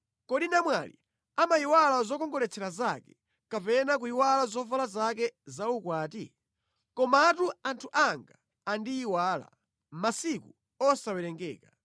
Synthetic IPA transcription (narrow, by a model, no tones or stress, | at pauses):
kɔɗinamwa̰lḭ | amaiwalazɔkɔŋɡɔlɛt͡sʰɛɾazakɛ | kapɛnak̬uiwalazɔvalazak̬ɛzaukwaːti | kɔmatuantʰuʔaŋɡaː | ndiːwaːla̰ | masiku | ɔsawɛɾɛŋɡɛ̰ːka